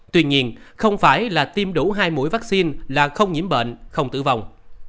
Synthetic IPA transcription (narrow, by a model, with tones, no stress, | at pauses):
t̪wi˧ɲi˧ən | xə˧wŋ͡mfaː˧˩jlaː˨˩t̪i˧mɗu˧˩ɦaː˧jmṵ˧˥jvaː˦˥k̚si˧nlaː˨˩xə˧wŋ͡mɲḭ˧˥mɓə̰˧˨nxə˧wŋ͡mt̪ɨ̰˧˨va˨˩wŋ͡m